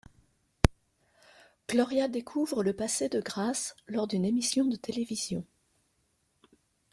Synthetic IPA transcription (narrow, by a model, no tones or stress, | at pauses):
ɡ̥lɔʁjad̪ekʰuvʁələpased̪əɡʁaslɔʁd̪ynemisjɔ̃d̪ət̪elevizjɔ̃